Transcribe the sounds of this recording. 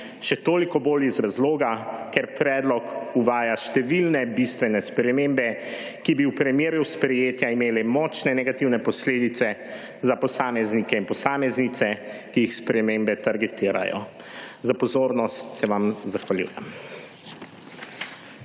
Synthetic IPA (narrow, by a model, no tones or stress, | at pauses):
ʃɛt̪oːlikɔboːlizɾazloːɡakɛɾpɾɛːd̪lɔkuʋaːjaʃt̪ɛʋilnɛbist̪ʋɛnɛspɾɛmembɛ | kibiwpɾɛmjeːɾjuspɾɛjeːt̪jaimeːlɛmɔːt͡ʃnɛnɛɡat̪iwnɛpɔsleːd̪it̪sɛ | zapɔsaːmɛznikɛinpɔsaːmɛznit̪sɛkijixspɾɛmeːmbɛt̪aɾɡɛt̪iːɾa̰jɔ̰ | zapɔzoːɾnɔst̪sɛʋamzaxʋaljṵːjɛ̰m